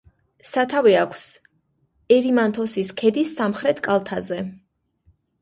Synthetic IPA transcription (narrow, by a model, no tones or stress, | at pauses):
sat̪ʰavɛakʷʰs | ɛɾimant̪ʰɔsiskʰɛd̪isamχɾɛt̪ʰkʼalˠt̪ʰazɛ